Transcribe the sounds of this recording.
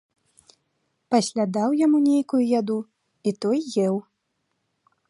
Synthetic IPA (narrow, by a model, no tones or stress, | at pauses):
pasʲlʲad̪awjamunʲejkujujad̪u | it̪ɔjːɛw